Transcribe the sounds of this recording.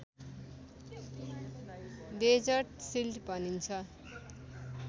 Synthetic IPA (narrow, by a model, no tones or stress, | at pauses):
ded͡zʌrʈsildbʱʌnint͡sʰʌ